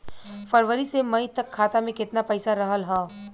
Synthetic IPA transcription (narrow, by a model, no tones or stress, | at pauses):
fəɾʋəɾisemɐit̪ɐkʰːaːt̪amẽkɪt̪napɛɪsaɾɐɦəlɦɛː